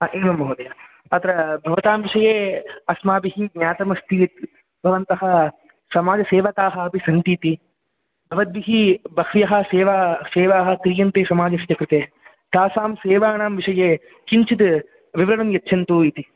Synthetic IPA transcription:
aʔeːmɐmːɐɦoːd̪ɐja | ɐt̪ɐɾɐbʱɐʋɐt̪aːmʋiʂɐjeːɐsmaːbiɦiɡɲaːt̪ɐmɐst̪it̪̚ | bʱɐʋɐnt̪ɐɦɐ | sɐmaːd͡ʒɐseːʋɐt̪aːɦɐɐpisɐnt̪iːt̪i | bʱɐʋɐt̪̚biɦibɐkʰʋjɐɦɐ̆seːʋaːseːʋaːɦɐ̆kɾijɐnt̪eːsɐmaːd͡ʒɐst̪ɐkɾut̪eː | t̪aːsaːmseːʋaːɳaːmʋiʂɐjeː | kiɲt͡ʃit̪ | ʋiʋɾɐɽɐmjɐtːʃʰɐnt̪uit̪i

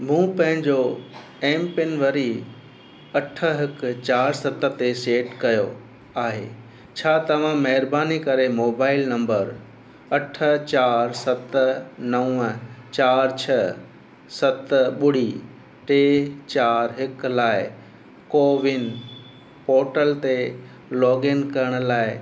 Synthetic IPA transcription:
mũːpɐ̃ɦɪ̃ɲd͡ʑo | ẽːmpɪnʋɐɾi | ɐʈʰə̆ɦɪkt͡ɕaːɾsɐt̪ə̆t̪eseːʈkɐjo | aːɦḛː | t͡ɕʰaːt̪ɐʋ̤ãmɐɦɪɾbaːnikɐɾemoːbaːɪlnɐ̃mbəɾ | ɐʈʰə̆t͡ɕaːɾsɐt̪nɐʊ̃ət͡ɕaːɾt͡ɕʰɐ | sɐt̪ɓʊɽ̤i | ʈeːt͡ɕaːɾɦɪklaːɪ | koːʋɪn | poːɾʈəlt̪e | lɔːɡɪnkɐɾəɽ̃ə̆laːɪ

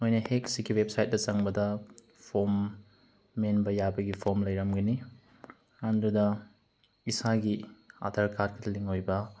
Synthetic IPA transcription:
mojnɐhek̚siɡiwep̚sajt̚dɐt͡ʃɐŋbɐdɐ | pʰomː | enbɐjabɐɡipʰoɾmlɐjɾɐmɡɐni | andɾudɐ | isaɡia̰dʰʱɐɾkad̚kʰɐtʰliŋojbɐ

